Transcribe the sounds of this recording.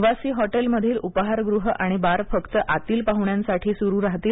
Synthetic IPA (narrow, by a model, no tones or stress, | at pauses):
ʋasiːɦɔʈelməd̪ʱiːlupəɦaɾɡɾuɦəʔaɽ̃ibaɾfəkt̪əʔat̪iːlpaɦuɳjãnsaʈʰiːsuɾuːɾaɦt̪iːl